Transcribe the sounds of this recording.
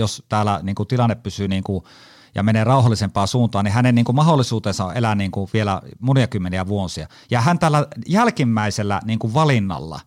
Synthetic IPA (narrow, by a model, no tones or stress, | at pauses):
jost̪æːlæ̰niːŋkut̪ilɑnːeppysyːniːŋku | jɑ̰meneːrɑˑuhɑlːˑisempɑːsuːnt̪ɑːnihænenniːŋkummɑholːˑisuːt̪eːnsɑo̰ʔelæniːŋkuʋielæ̰munijɑkymːeniæʋuosiɑ̰ | jɑhænt̪æːlːæjælkimːæˑiselːæ̰niːŋkuʋʋɑlinːɑ̰lːɑ̰